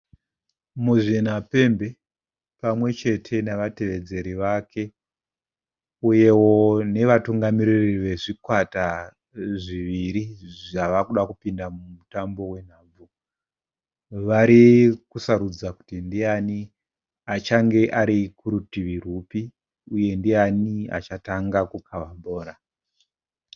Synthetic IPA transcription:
muʐin̤ape̞mbe̞ | pamwe̞t͡ʃe̞tʰe̞naʋate̞ʋe̞d͡ze̞ɾiʋakʰe̞ | uje̞wo̞ne̞ʋatuŋɡamiririʋe̞ʐikwata | ʐiʋiɾiʐaʋakuɗakupindamumutambo̞we̞n̤aːb͡vu | ʋaɾikusaɾud͡zaku̥tindiani | at͡ʃaŋɡe̞ʔaɾikuɾutiʋir̤upi | uje̞ndiania̰t͡ʃataŋɡakukʰaʋaɓʱo̞ːɾa

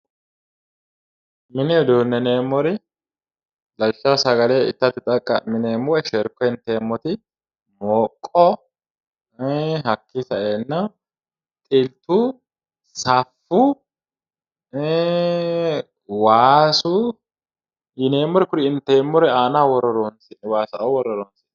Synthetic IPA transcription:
mɪnɛd̪uːnːɛneːmːɔɾɪ | lɐlʃasɐɡɐleɪ̰t̪ːɐt̪ːɪt̪ʼɐkʼːɐmɪneːmːɔɛʃɛɾkːɔɪnt̪eːmːɔt̪ɪ | moːkʼːɔ | ɦɐkːɪsɐeːnːɐ | t̪ʼɪlt̪u | sɐfːu | waːsu | jɪneːmːɔɾɪkʊɾɪɪnt̪eːmːɔɾɛaːnawɔɾɔɾɔnswaːsɐʔɐwwɔɾɔɾɔnsɪ̥

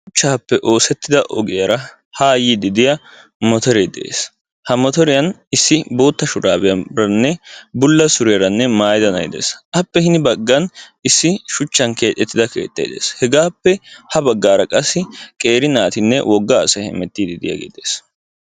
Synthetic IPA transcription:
ʃʊt͡ʃːaːpːɛʔoːsɛt̪ːɪd̪ɐʔɔɡɪjɐɾɐ | haːjid̪ɪd̪ɪjɐ | mɔt̪ɔɾeːd̪ḛːs | hɐmɔt̪ɔɾɪjɐnɪsːɪbo̞ːt̪ːɐʃʊɾaːbɪjɐbɾɐnːɛbʊlːɐsʊɾɪjɐɾɐnːɛmaːjd̪ɐnɐjd̪ḛːsʔɐpːɛhɪnɪbɐɡːɐnɪsːɪʃʊt͡ʃːɐnke̞ːt̪ʼːɛt̪ːɪd̪ɐke̞̰ːt̪ːɐ̰jd̪ḛːshɛɡaːpːɛhɐbɐɡːaːɾɐkʼɐsːɪkʼe̞ːɾɪnaːt̪ɪnːɛ̰wʔɔɡːaːsɐhɛ̰mɛt̪ːiːd̪ɪd̪ɪ̰jɐ̰ɡḛːd̪eːs

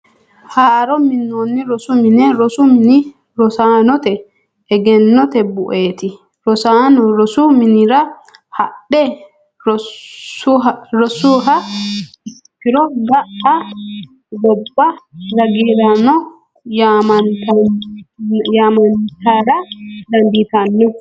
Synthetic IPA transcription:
haːʔɐɾɔmɪnːoːnːɪɾɔsʊmɪnɛɾɔsʊmɪnɪ | ɾɔsaːnɔt̪ɛ | ɛɡɛnːɔt̪ɛbʊʔeːt̪ɪ | ɾɔsaːnɔɾɔsʊmɪnɪɾɐ | hɐɗːɛ | ɾɔsuːɦɐ | ɪskɪɾɔɡɐʔɐ | ɡɔbːɐɾɐɡeːɾɐnɔ | jamɐnt̪ɐ | jaːmɐnt̪aɾɐd̪ɐnd̪iːt̪ɐnːɛ

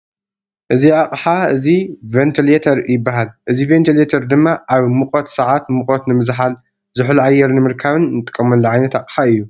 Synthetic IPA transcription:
ʔɨziʕaqʼħaɨzivent̪ʰilet̪ʰɐɾjɪbːaɦalʔɨzivent̪ʰilet̪ʰɐɾd̪ɨmːaʔaβmɨqʼot̪sɐʕat̪mɨkʼot̪nɨmɨzħal | zɨħlʕajːɛɾnɨmɨɾkʰaβɨnnɨt̪ʼɨ̥kʼːɐmɐlːɐʕajnɐt̪aqʼħaɨjːu

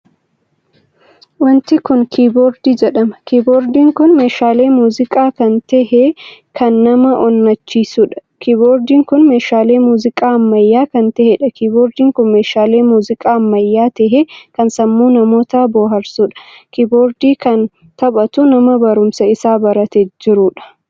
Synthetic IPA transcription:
wɐnt̪ɪkʊnkʰiːboːɾd̪iːd͡ʒɛɗɐmɐkiːboːɾd̪iːŋkʊnme̞ːʃaːle̞ːmuːzɪkʼaːkɐnt̪ɛɦɛkɐnːɐmɐʔɔnːɐt͡ʃːiːsʊᶑɐ̥kiːboːɾd̪iːŋkʊnmeːʃaːle̞ːmuːzɪkʼaːɐmːɐjːaːkɐnt̪ɛhɛᶑɐkiːboːɾd̪iːŋkʊnmeːʃaːle̞ːmuːzɪkʼaːɐmːɐjːaːt̪ɛɦekɐnsɐmːuːnɐmoːt̪ɐboːɦɐɾsʊᶑɐ̥kiːboːɾd̪iːkɐn | t̪ɐbɐt̪ʊnɐmɐbɐɾʊmsɐɪsaːbɐɾɐt̪ɛd͡ʒɪɾʊᶑɐ̥

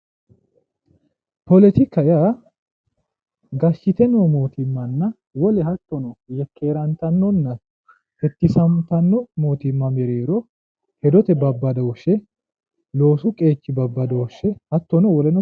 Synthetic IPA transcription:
pɔlɛt̪ɪkːɐjaː | ɡɐʃːɪt̪ɛnomo̞ːt̪ɪmːɐnːɐ | wɔlɛhɐt̪ːɔnɔjɛkːe̞ːɾɐnt̪ɐnːɔnːɐ | hɛt̪ːɪsɐmt̪ɐnːɔmo̞ːt̪ɪmːɐmɛɾeːɾɔ | hɛd̪ɔt̪ɛbɐbːɐd̪ɐɔʃɛ | loːsʊkʼe̞ːt͡ʃːɪbɐbːɐd̪ɐɔʃɛhɐt̪ːɔnɔwɔlɛnɔ

